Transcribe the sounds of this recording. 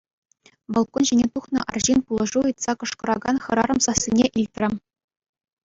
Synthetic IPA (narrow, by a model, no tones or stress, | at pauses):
ʋɑlˠkonʑenʲet̪uχnɤ̆ʔɑ̰rʑinpulˠɤ̆ʐuɤt̪sɑkɤ̆ʂkɤ̆ɾɑɡɑnχɤ̆ɾɑɾɤ̆msɑsʲːinʲeʔilʲt̪ʲrʲɘ̆